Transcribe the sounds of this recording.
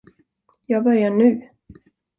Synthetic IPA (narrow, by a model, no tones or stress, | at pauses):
jɑːɡ̚bœɾjaɳʉ̟ː